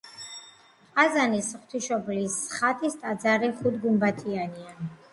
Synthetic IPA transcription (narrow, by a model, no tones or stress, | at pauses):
qʼazanisχt̪ʰiʃɔblisχat̪ʼist̪ʼad̪zaɾiχud̪ɡumbat̪ʰianian